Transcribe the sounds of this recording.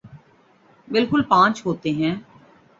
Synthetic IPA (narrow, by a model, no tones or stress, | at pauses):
bɪlkʊlpãːt͡ʃɦoːt̪eɦɛ̃ː